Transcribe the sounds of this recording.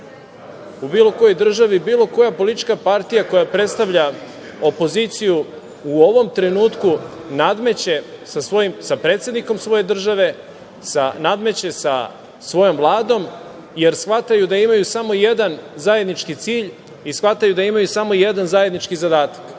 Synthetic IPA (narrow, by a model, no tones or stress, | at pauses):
ubiːlo̞ko̞jojd̪r̩ʒaʋibiːlo̞ko̞japo̞lit̪it͡ʃkapaɾt̪ijako̞japɾe̞t̪st̪aʋʎa | o̞po̞zit̪sijuː | o̞ʋo̞mt̪ɾenuːt̪kunad̪met͡ɕesasʋo̞jimsapɾe̞ːt̪sjed̪niko̞msʋo̞je̞d̪r̩ʒaʋe̞ | sanad̪me̞t͡ɕe̞sa̰ | sʋo̞jo̞mvlˠaːd̪o̞m | jeɾsxʋat̪ajud̪aimajusamo̞je̞d̪anzaje̞d̪nit͡ʃkit̪siːʎ | isxʋat̪ajud̪aimajusamo̞jed̪anzaje̞d̪nit͡ʃkizad̪aːt̪ḁk